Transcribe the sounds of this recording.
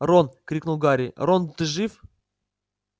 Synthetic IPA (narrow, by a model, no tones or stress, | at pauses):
ronkɾʲiknulˠɡaɾʲɪ̰ront̪ɨʐɨf